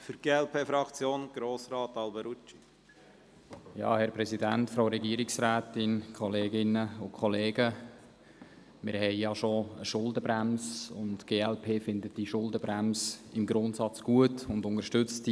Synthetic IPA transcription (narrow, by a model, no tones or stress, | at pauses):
fyɾɡ̥eːɛlpʰeːfɾɑkt͡sjoːnɡ̥ɾoːsɾɑːt̪ɑlbəɾut͡ʃi̥ | jɑ̰ːhɛɾpɾɛsidæntfɾoʊɾɛɡiəɾɪksɾæːtɪnkʰɔleːɡɪnəʊkʰχɔleːɡə | mɪɾhɛɪjɑʃoəʃʊldəbɾæmsʊ̰ntɡ̥eːɛlpʰeːfɪndətd̥iʃʊldəbɾæmsɪmɡɾʊntsɑt͡sɡ̥uətʊnd̪ʊnəɾʃtʏt͡st